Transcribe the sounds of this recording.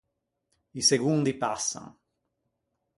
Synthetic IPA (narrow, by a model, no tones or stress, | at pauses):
iseɡund̪ipasːa̰ŋ